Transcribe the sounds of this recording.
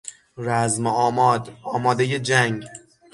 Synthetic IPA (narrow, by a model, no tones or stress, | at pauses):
ɾæzmɒːmɒːd̪ɒːmɒːd̪ejed͡ʒæŋɡ